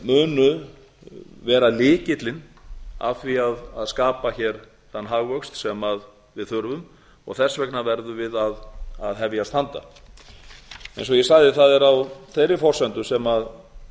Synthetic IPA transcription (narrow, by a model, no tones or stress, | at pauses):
mʏːnʏ | vɛːɾalɪːcɪt̪lɪn | a̰vθviaðaðskaːpaçɛɾ̥ | θanːɦaɣvœkst̪sɛmað | vɪðθʏɾvʏm | ɔ̰ɣθɛsvɛknavɛɾðʏvɪðaðaðɦɛvjast̪ʰant̪a̰ | ɛ̰̃jnsɔɣjɛsaɣðɪθaðɛɾawθejɾɪfɔr̥sɛnt̪ʏsɛmað